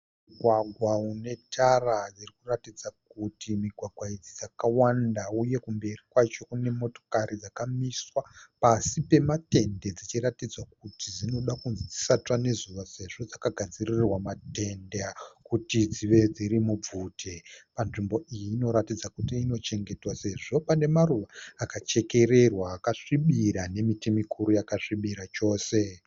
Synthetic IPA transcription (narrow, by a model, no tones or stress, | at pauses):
mmuɡʱwaɡʱwaune̞tʰarad͡zirikuratid͡zak̚utimiɡʱwaɡʱwaid͡zid͡zakawandauje̞kumbe̞rikwat͡ʃo̞kune̞mo̞to̞̥kaɾid͡zakamiswapasipe̞mate̞nde̞d͡zit͡ʃiratid͡zwak̚utizino̞ɗakunzid͡zisatwane̞zuʋase̞ʐo̞d͡zakaɡʱad͡ziriirwamate̞ndeakutid͡ziʋe̞d͡ziɾimub͡vuːtʰepanʐimbo̞ijiːno̞ɾatid͡zakutiːno̞t͡ʃe̞ŋɡe̞twase̞ʐo̞pane̞maruʋaːkat͡ʃe̞ke̞ɾe̞rwaːkaʂiɓiɾane̞mitimikʰuɾujakaʂiɓiɾat͡ʃo̞ːse̞